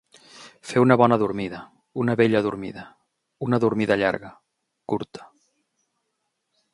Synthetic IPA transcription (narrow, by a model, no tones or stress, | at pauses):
feunəβɔnəðuɾmiðə | unəβeʎəðuɾmḭðə | unəðuɾmiðəʎa̰ɾɣə | kuɾt̪ə̥